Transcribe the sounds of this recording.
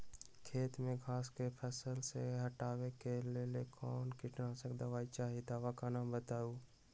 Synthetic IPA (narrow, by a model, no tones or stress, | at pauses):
kʰeːt̪mẽɡʱaːskepʰəsəlseɦəʈaːwekelelekʰɔːnkɪʈnasəkd̪aʋaːit͡ʃaːɦid̪aːʋakanaːmbət̪aːuː